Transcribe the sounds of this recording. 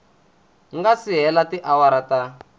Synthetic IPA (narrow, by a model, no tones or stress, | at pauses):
ŋɡasiɦɛlatiʔawaɾata